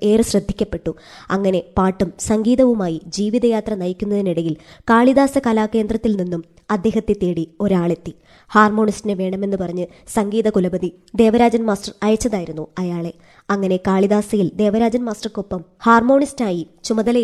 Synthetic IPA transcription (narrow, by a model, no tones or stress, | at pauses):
e̞ːrɨɕrɐd̪ʱːikʲːɐpːe̞ʈːu | ɐŋːɐne̞paːʈːumsɐŋɡiːðɐʋumaːjid͡ʑiːʋiðɐjaːt̪rɐnɐjikʲːunːɐðiniɽɐjilkaːɭiðaːsɐkɐlaːkːe̞ːnd̪rɐt̪ːilninːum | ɐd̪ːe̞ːɦɐt̪ːet̪ːe̞ːɽio̞ɾaːɭe̞t̪ːi | haːrmo̞ːɳistinɨʋe̞ːɳɐme̞nːɨpɐrɐɲːɨ | sɐŋɡiːðɐkulɐbɐði | d̪e̞ːʋɐɾaːd͡ʑɐnmaːstɐrɐjɐt͡ɕːɐðaːjiɾunːuɐjaːɭe̞ | ɐŋːɐne̞kaːɭiðaːsɐjild̪e̞ːʋɐɾaːd͡ʑɐnmaːstɐrkopːɐmhaːrmo̞ːɳistaːjit͡ɕumɐðɐlɐ